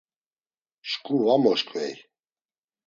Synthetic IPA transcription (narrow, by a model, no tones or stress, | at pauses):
ʃkʼuvamɔʃkʼvɛj